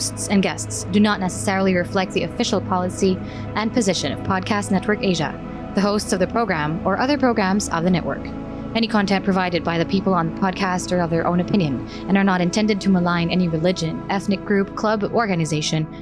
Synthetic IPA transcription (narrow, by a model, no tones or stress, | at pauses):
stsɨ̃nɡɛstsd̥ɨnətⁿnɛsə̥sɛɹl̩ˠiɹɨflɛk̚t̪̚ðiɨfɪʃl̩ˠpʰɑlˠəsi | ʔɨ̃npʰɨzɪʃɨ̃nʌ̰v̥pʰɑd̚kʰæstnɛt̚wə˞keɪʒɨ̰ | ðɨɦoʊstsʌvðɨpʰɹ̥oʊɡɹæ̃mə˞ʔʌðə˞pʰɹ̥oʊɡɹæ̃mzʌ̰vðɨnɛʔwə̰˞k | ɛñikʰɑ̃ntʰɛ̃npʰɹ̥ɨvaɪɾɨd̚baɪðɨpʰipl̩ˠə̃nðəpʰɑd̚kʰæstə˞ʌvðə˞ʔõ̰ʊ̃ñɨpʰɪ̃njɨ̃n | ɨ̃nə˞nəɾɨ̃ntʰɛ̃ndɨd̚tʰɨməlãɪ̃nɛniɹɨlɪd͡ʒɨ̃nʔɛθnɨk̚ɡ̥ɹʉp̚kʰl̥ʌbɔɹɡɨnɨzeɪʃɨ̃n